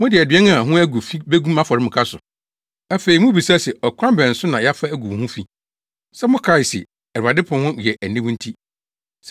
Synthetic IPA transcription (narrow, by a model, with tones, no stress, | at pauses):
mʊ̃˦dɪ˨æ˨dɥɛ˦n˦a˦˨ɦʊ̃˦æ˦ɡu˨fi˦be˦ɡũ˦mã˦fɔ˨ɾɪ˦mʊ̃˨kʰa˦sʊ˨ | æ˦fe˨i˨mʊ̃˦bi˨sa˦sɛ˨ɔ˨kʷʰã˦m˦bɛ̃˨n̩˨sʊ˦nã˨ja˦fa˦æ˦ɡu˨hũ˦fi˦ | sɛ˦mʊ̃˦kʰɾa˦ɪ˨sɪ̰˨ | æ˨ɾa˨dɪ˦pʰʊ̃˨hʊ̃˦jɛ˨ʔæ˨nĩ˦b̃n̩˦tʰi˦ | s